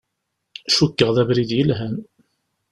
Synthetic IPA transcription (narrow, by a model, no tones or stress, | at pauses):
ʃukːəʁðævɾiðjəlɦæn